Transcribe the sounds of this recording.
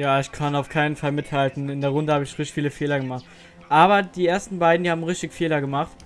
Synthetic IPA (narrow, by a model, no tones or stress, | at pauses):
jaːɪçkʰanaʊfkʰaɪnənfalmɪthaltn̩ɪndeːɐʁ̞ʊndəhaːbəɪçʁɪçtfiːləfeːlɐɡəmaχt | ʔaːbɐd̥iːʔeːɐstn̩baɪdn̩diːhaːbmʁɪçtɪçfeːlɐɡəmaχt